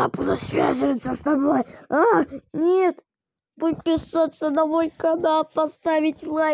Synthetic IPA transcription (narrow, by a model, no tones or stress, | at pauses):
apud̪əsvʲa̰zɨvət̪səst̪ɐbo̞janʲet̪ | put̚ʲpʲɪsat̪sənɐvojʲkɐd̪apɐst̪avʲɪtʲlˠa